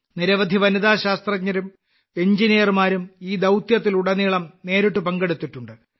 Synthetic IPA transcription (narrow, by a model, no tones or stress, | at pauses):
niɾɐʋɐd̪ʱiʋɐnid̪aːɕaːst̪rɐkɲːɐɾum | e̞ɲd͡ʑinijɐrmaːɾumiːd̪ɐwt̪jɐt̪ːiluɽɐniːɭɐmne̞ːɾuʈːupɐŋɡeɽut̪ːiʈːuɳɖɨ